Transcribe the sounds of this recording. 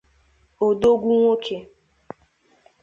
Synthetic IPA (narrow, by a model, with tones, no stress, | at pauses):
o˨do˦ɡʷu˦ŋʷo˦kʰe˨